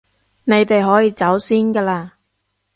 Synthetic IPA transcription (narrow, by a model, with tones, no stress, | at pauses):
ne˨˧jt̪e˨jɦɔː˨˥jiː˨˧t͡sɐ˨˥wsiː˥nkaː˧laː˧